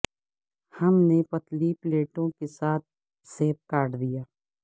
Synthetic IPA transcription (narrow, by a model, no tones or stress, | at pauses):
hɐmnepɐt̪lipleːʈõkesaːt̪̚ | seːp̚kaːʈd̪ijaː